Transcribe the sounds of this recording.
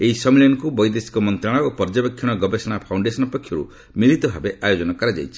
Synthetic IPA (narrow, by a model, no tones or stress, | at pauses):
eɦisɔmiljɔnkubɔjd̪esi̥kɔmɔnt̪ɾaɽ̃ɔopɔɾd͡ʒabekʰːjɔɽ̃ɔɡɔbesɔɽ̃apʰawɳɖesɔnɔpɔkʰjɔɾṵ | milit̪ɔbʱabeʔajod͡ʒɔnɔkɔɾad͡ʒa̰jt͡ʃʰi̥